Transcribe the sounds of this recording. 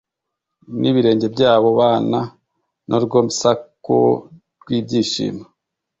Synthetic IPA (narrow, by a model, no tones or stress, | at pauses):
niβiɾe̞ːɲɟe̞bɟaːβo̞βaːna | nʔoɾɡo̞ːmisako̰ | ɾɡwiːbɟiːʃḭːma